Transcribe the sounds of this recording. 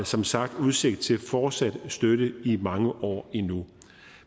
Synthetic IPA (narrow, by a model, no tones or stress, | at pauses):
sɒ̽msɑ̈ɡ̥d̥uð̞ˠse̝ɡ̥̚d̥̚t͡sʰe̝lfɒːd̥sæd̥sd̥øɾəimɑ̈ŋəʔɒ̰ːinu